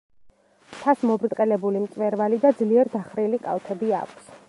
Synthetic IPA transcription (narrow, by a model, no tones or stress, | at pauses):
t̪ʰasmɔbɾt̪ʼqʼɛlɛbulimsʼvɛɾvalid̪ad̪zliɛɾd̪aχɾilikʼa̰lˠt̪ʰɛbia̰kʷʰs